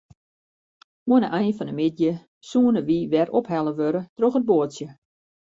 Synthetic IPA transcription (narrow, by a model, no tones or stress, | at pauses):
uənəʔɛjnfɔnəmɪdjə | suənəʋiʋɛrʔopɦɛlˠəʋøɾətroxəd̚boətsjə